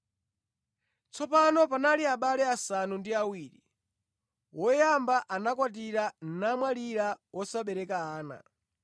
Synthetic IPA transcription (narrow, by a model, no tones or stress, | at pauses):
t͡sɔpanɔpanaliaɓalɛasanundiawiːɾḭ | wɔjambaʔanakwat̬iɾan̩namwaliɾawɔsaɓɛɾɛkaaːna̰